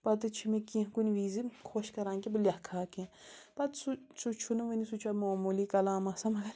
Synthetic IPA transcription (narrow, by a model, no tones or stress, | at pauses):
pɐt̪ɨt͡ʃʰimikĩkunʲʋiːzikʰoʃkɐɾãːŋkibɨlʲɐhkʰaːkĩpɐt̪susut͡ʃʰunuʋinisut͡ʃʰamoːmuːlikɐlaːmɐsɐmɐɡɐɾ